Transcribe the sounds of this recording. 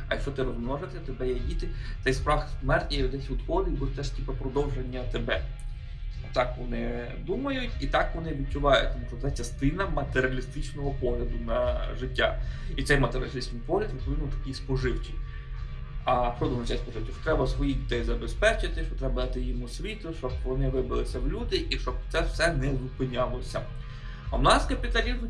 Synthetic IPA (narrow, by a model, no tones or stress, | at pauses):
ɐjɐkʃt͡ʃɔt̪ɪɾɔzmnɔʒet̪ɪt̪ebɛjɛdʲit̪ɪt̪sɛjspɾɑxsmɛrtʲnʲijɔd̪ɛsʲʋʊd̪xɔd̪ɪjʲbɔt̪ɛʂtʲipɐpɾɔd̪ɔwʒenʲːɐt̪ebɛ | ɔt̪ɑkʋɔnɪ | d̪umɐjʊtʲit̪ɑkʋɔnɪʋʲid̪̚t͡ʃʊʋɑjʊt̚ʲt̪ɔmuʃt͡ʃɔt̪ɛt͡ʃɐst̪ɪnɐmɐt̪eɾʲɪɐlʲist̪ɪt͡ʃnɔɦɔpɔɦlʲɐd̪ʊnɐʒɪtʲːa̰it̪sɛjmɐt̪eɾʲɪɐlʲst̪isʲnɪjpɔɦlʲɐd̪ʋɪʋɪmʊt̪ɐkʲijspɔʐɪwt͡ʃʲi | ɐpɾɔd̪ɪmmʊt͡ʃ̪ʲɛjspɔʐɪwt͡ʃʲiʃt͡ʃɔ̥t̪ɾɛbɐsʋɔjidʲid̪ɛjizɐbespɛt͡ʃɪt̪ɪʃt͡ʃɔt̪ɾɛbɐɐt̪ɪjimʊsʲʋʲit̪ʊʃt͡ʃɔbʋɔnɪʋɪbɪlˠɪsʲɐwlʲud̪ɪʔiʃt͡ʃɔbt̪sɛwsɛnɛʋʊpɪnʲɑlˠɔsʲɐ | ɐwʊnɑskɐpʲid̪lʲɐlʲiz